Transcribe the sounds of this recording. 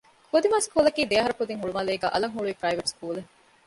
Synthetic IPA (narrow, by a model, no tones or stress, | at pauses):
kʰod̪imaːskuːlɐkiːd̪eɐɦɐɾɐkud̪iŋɦuɭumɐleːɡæ̰ːʔɐlɐŋɦuɭuipɾɐiʋeʈskuːle